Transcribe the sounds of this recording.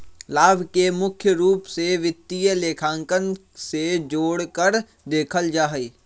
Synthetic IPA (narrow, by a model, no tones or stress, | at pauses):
laːbʱkemʊkʰjəɾuːpseʋɪt̪ːijəleːkʰãːŋkən | sed͡ʒoːɽkəɾ | d̪eːkʰəld͡ʒaːɦiː